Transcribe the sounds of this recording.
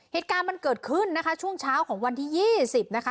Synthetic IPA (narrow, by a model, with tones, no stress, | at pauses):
heː˨˩t̪̚kaː˧nma˧nkɤː˨˩t̪̚kʰɯ˥˩nːa˦˥kʰa˦˥t͡ɕʰu˥˩əŋt͡ɕʰaː˦˥wkʰɔː˩˦ŋwa˧nt̪ʰiː˥˩jiː˥˩si˨˩p̚na˦˥kʰa˦˥